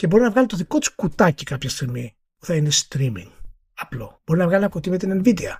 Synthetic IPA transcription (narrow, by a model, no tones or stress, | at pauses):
cebo̞ɾinɐvɣɐlit̪oðiko̞t̪i̥skut̪ɐcikɐpçɐst̪iɣmi | puθɐinest̪ɾimḭŋ | ɐplo̞̰b̥o̞ɾinɐvɣɐlinɐkot̪imet̪enenvid̪eɐ̰